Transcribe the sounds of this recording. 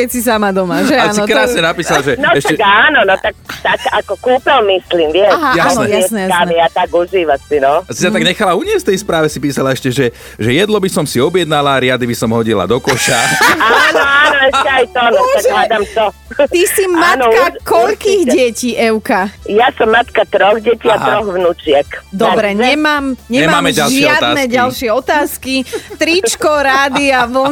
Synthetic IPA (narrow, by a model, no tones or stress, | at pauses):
kɛcsis̬amad̪ɔmaʒɛansiɔkɾaːsɲɛnapiːsalʒɛnɔɛʃɛkaːnɔnɔt̪ak̚t̪akakɔkuːpɛlmisliːmʋɪɛɦajasnɛjaɛsnɛjjaamijat̪aɡuʒiːʋasinɔasisat̪aɡɲɛxalauɲɪɛsfft̪ɛjspɾaːʋɛsipiːsalaɛʃcɛʒɛ | ʒɛjɛd̪lɔbisɔmsiɔbjɛd̪̚nalaɾɪad̪ibisɔmɦɔɟila̰d̪ɔkɔʃaanɔanɔɛɛajt̪ɔnɔt̪aɡɦlad̪amt̪ɔ | t̪isimankakɔʎkiːɣɟɛciːʔɛwkajasɔmːat̪kat̪ɾɔɣɟɛciːaɦɾɔɣʋnut͡ʃɪɛkd̪ɔbɾɛɲɛmaːmɲɛɲɛmamaːmɛɟalʒɪɛaɔdt̪aːnɛkɟalʃɪɛɔt̪aːskit̪ɾit͡ʃkɔɾaːd̪iaʋl̩